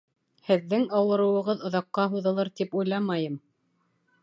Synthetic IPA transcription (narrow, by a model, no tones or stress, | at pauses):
hɘ̆ðːɘŋɑwɤ̆ɾɤ̆wɤ̆ʁɤðŏðɑqːɑɦuðɤ̆lˠɤɾt̪ipujlˠɑmɑjɤm